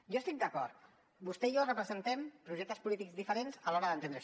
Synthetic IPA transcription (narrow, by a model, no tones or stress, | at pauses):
ʒost̪ik̚d̪əkɔɾt̪ | bust̪ɛiorəpɾəzənt̪ɛmpɾuʒɛk̚t̪əspulit̪ikzðifəɾenzalɔɾəðənt̪end̪ɾə